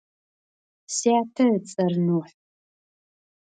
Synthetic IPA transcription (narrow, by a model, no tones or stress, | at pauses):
siatʰɐt͡sʼɐrnuħ